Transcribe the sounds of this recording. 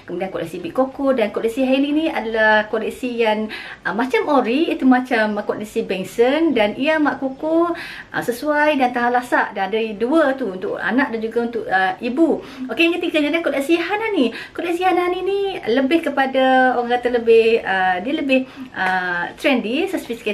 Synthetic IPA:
kəmudiankɔlḭʔsibiʔkokodankɔliʔsiɦaininia̰dalahkolisijanəmãt͡ʃamoɾiːt̪umat͡ʃamkɔlisibɛŋsəndaniamaʔkokoʔə̰səsuajdant̪aɦalasaʔdandaɾiduət̪uunt̪ʊʔa̰nãʔ̚dand͡ʒuɡaunt̪ʊkəibu | okejaŋkət̪iɡaɲalakoliʔsiɦananikolɛsihananiniləbɪhkəpadaoɣaŋkat̪aləbɪhədiələbɪhʔət̪ɾɛndisəspiska

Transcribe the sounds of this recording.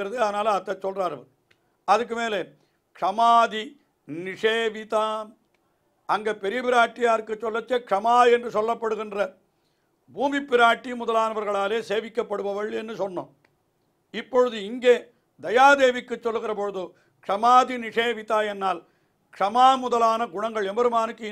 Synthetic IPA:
ɪɾɐðɯɐðɐnaːlɐt̪ːɐt͡ʃːɔlraːɾɐʋɐɾ | ɐðɯk̬ːɯmeːleː | kʂɐmaːði | nɪʂeːʋɪt̪aː | ɐŋɡeːpɛɾɪbɪɾaːʈːɪjaːɾɯkːɯt͡ʃːɔlːɐt͡ʃːekʂɐmaːɛndrɯsɔlːɐpːɐɽɯɣɪndrɐ | buːmipːɪɾaːʈːimʊðɐlaːnɐʋɐɾɣɐɭaːleːseːʋɪkːɐpːɐɽɯʋɐʋɐɭɛnːɯsɔnːo̰ː | ɪpːɔɻɯðɯɪŋɡeː | d̪ɐjaːðeːʋɪkːɯt͡ʃːɔlːɯɣɪrɐpɔɻɯðɯ | kʂɐmaːðinɪʂeːʋɪt̪aːɛnːaːl | kʂɐmaːmʊðɐlaːnɐɡʊɳɐŋɡɐɭɛmbɐɾɯmaːnɯkːɯ

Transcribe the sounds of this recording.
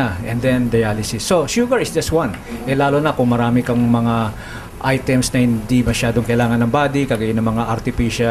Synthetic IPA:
aʔɛ̃nd̪ɛnd̪ɐjalɪsɪsːo̞ʃuɡɐɹɪsd͡ʒɐst̪wɐ̃n | ʔɛlaːlonɐkʊŋmɐɾaːmɪkɐŋmɐŋa | ʔajt̪ɛmsnɐhɪnd̪imɐʃaːd̪oŋkɐɪlaːŋɐnɐŋbaːd̪ɪkɐɡɐjɪnɐŋmɐŋaʔɐɾt̪ɪfiːʃɐ

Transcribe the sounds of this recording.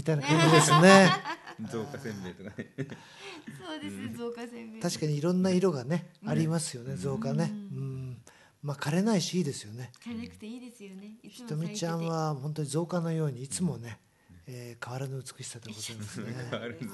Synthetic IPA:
mʲit̪ainakãnd͡ʑid̪e̞sɨne̞ | et̪o | d̪ | t̪aɕi̥kaɲ̟iːɾõ̞nːaiɾo̞ɡane̞aɾʲimasɨjo̞ne̞zo̞ːkane̞ɯ̟̃ɴ | makaɾe̞naiɕiiːd̪e̞sɨjo̞ne̞ | çi̥t̪o̞mʲit͡ɕãɰ̃βahõ̞nt̪o̞ɲ̟izo̞ːkano̞jo̞ːɲ̟iːt͡sɨmo̞ne̞ | eːkaβaɾanoɯt͡sɨ̥kɯ̟ɕi̥sat̪ːeɡo̞zaimasne

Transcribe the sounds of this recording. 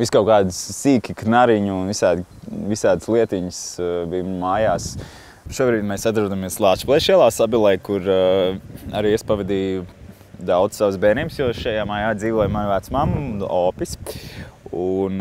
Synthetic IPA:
ʋiskaʊkaːd̪siːkʲiknaɾiɲunʋisaːd̪ʋisaːd̪slˠiɛt̪iɲsbijːaːjaːs | ʃuɔbɾiːd̪mɛsat̪ɾud̪amiɛslˠaːt͡ʃplˠɛʃiɛlˠaːsabilˠɛjkuɾ | aɾiːispaʋɛd̪iːj | d̪aw̪ssːaʋsbɛːniːbsjɔɔʃajaːmaːjaːd̪ziːʋɔjmajʋat̪smamɔːpʲis | un

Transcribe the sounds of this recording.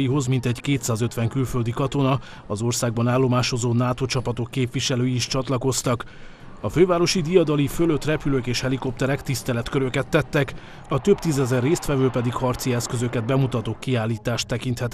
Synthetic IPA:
iɦo̞zmint̪ɛɟkeːt̪saːzø̞t̪ʋɛŋkylfø̞ld̪ikɒt̪o̞nɒ | ɒzo̞rsaːɡ̚bɒnaːlːo̞maːʃo̞zoːnaːt̪o̞t͡ʃɒpɒt̪o̞kːeːpvʋiʃɛløːjiːʃt͡ʃɒt̪lɒko̞st̪ɒk | ɒføːvaːɾo̞ʃid̪ijɒd̪ɒlifø̞løt̪rɛpyløkeːʃhɛliko̞p̚t̪ɛɾɛkt̪ist̪ɛlɛt̪køɾøkɛt̪ːɛt̪ːɛk | ɒt̪ø̞bt̪izɛzɛrːeːst̪ʋɛvøːlpɛd̪ikhɒrt̪siɛskø̞zø̞kɛd̪̚bɛmut̪ɒt̪okkːiaːlːiːt̪aːʃt̪ːɛkint̪hɛt̪

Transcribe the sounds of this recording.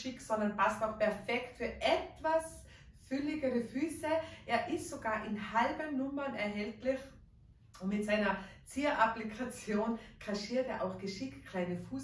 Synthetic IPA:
ʃɪksɔndɐnpastaʊxpʰɛɐfɛktfyːɐʔɛtv̥as | fʏlɪɡəʁəfyːsəʔeːɐʔɪstsoɡaːɐʔɪnhalbənːʊmɐnɛɐɦɛltlɪç | ʊnmɪtsaɪnɐt͡siːɐʔaplikʰat͡sjoːnkʰaʃiːɐteːɐʔaʊxɡ̥əʃɪktkʰl̥aɪnəfuːs

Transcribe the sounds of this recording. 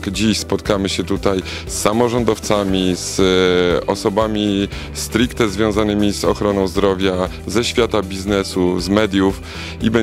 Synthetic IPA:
d͡ʑiɕspɔt̪̚kamɘɕɛt̪ut̪aj | sːamɔʐɔnd̪ɔft̪samʲiz | ɔsɔbamʲi | st̪ɾikt̪ɛzvʲjɔ̃w̃zanɘmʲizɔxɾɔnɔ̃w̃zd̪ɾɔvʲja | zɛɕfʲjat̪abʲiznɛsuzmɛd̪ʲjuf | ibɛ

